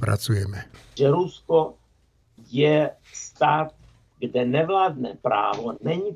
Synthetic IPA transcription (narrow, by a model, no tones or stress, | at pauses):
pɾa̰t͡sujɛmɛʒɛɾusko | jɛ | st̪aːt̪̚ | ɡdɛnɛvlaːd̪nɛ̰ːpɾa̰ːvonɛɲiː